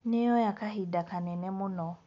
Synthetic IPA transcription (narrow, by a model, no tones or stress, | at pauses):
nejɔjakaɦidakanɛnɛmʊnɔ